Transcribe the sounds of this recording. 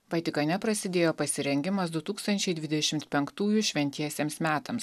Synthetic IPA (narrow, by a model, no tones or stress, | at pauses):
ʋɐt̪ʲɪkɐnʲɛpɾɐsʲɪd̪ʲeːjoːpɐsʲɪɾʲɛŋʲɡʲɪmɐs̬d̪ʊt̪uːkst̪ɐnʲt͡ʃʲɛɪd̪ʲʋʲɪd̪ʲɛʃʲɪmt̪pʲɛŋkt̪uːjʊʃʲʋʲɛnʲt̪ʲiɛsʲeːmsmʲæːt̪ɐms